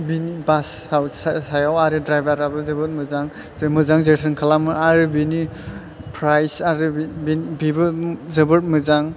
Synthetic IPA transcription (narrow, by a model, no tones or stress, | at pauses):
binibasːawssajawaɾɯdɾajbaɾabɯzɯbɯt̚mɯzaŋ | mɯzaŋzetʰɯnkʰalamɯaɾɯbini | pʰɾajsaɾɯibinbibɯzɯbɯɾt̚mɯzaŋ